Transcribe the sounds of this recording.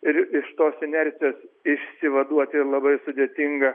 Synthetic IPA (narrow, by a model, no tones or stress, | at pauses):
ɪɾɪʃt̪oːsɪnʲɛɾʲt̪sʲɪjoːsɪʃʲsʲɪʋɐd̪uɔt̪ʲɪlˠɐbɐɪsʊd̪ʲeːt̪ʲɪŋɡɐ